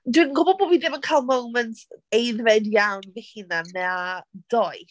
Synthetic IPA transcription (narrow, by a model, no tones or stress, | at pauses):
dwinɡʊbɔboːbiðɪmənkʰajlˠmowməntejðvɛdjawnvehinamɛad̥ɔj